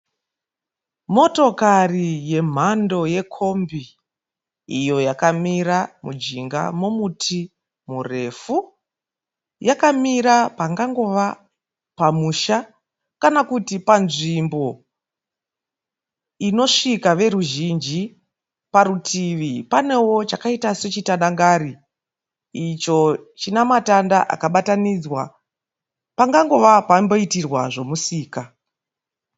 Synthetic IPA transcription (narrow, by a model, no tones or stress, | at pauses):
mo̞to̞karije̞m̤ando̞je̞kʰo̞mbi | ḭjo̞jakamiɾamud͡ʒiŋɡa̰momutʰi | mure̞fu | jakamiɾapaŋɡaŋɡo̞ʋa | pamuʃa | kanakutipanʐimbo̞ | ino̞ʂikaʋe̞ɾuʒind͡ʒi | paɾutʰiʋipane̞wo̞t͡ʃakaitase̞t͡ʃitandaŋɡaɾiː | t͡ʃo̞t͡ʃinamatandaʔa̰kaɓatanid͡zwa̰ | paŋɡaŋɡo̞ʋapambo̞itirwa̰ʐo̞musiːka